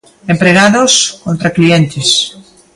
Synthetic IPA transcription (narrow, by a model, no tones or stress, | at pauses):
empɾeɣaðoskõnt̪ɾaklient̪ɪs